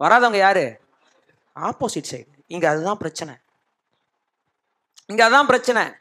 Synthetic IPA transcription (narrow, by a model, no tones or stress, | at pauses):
ʋɐɾaːðɐʊŋɡɐjaːɾɯ | aːpoːsɪʈsɐɪɖ | ɪŋɡɐːðɯt̪ãːpɪɾɐt͡ʃːɐnɐ̰ | ɪŋɡɐɐðɯt̪ãːpɪɾɐt͡ʃːɐnɐ̰